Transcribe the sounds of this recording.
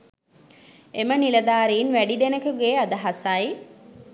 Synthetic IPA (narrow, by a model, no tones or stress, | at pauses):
emənilɐd̪aːɾiːnʋæɖid̪enəkəɡeːad̪əɦasaj